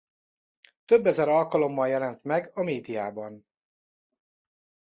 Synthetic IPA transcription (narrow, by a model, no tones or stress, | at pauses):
t̪øbːɛzɛɾɒlkɒlo̞mːɒljɛlɛnt̪mɛɡɒmeːd̪ijaːbɒn